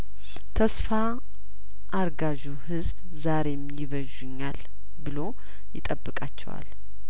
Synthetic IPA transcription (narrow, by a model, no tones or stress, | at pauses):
t̪ʰəsfa | ʔːɾɡaʒuhɨzb | zaɾe̞mjɪβəʒʊɲːal | bɨlo̞ | jɪt̪ʼəbːɨkʼat͡ʃːɛ̰wa̰l